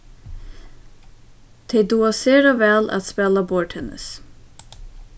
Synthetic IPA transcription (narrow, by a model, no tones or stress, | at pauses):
t̪ʰeːd̪uːɑseːɾɑʋɛlɑ̰t̪spɛləbɔʈhɛnə̰s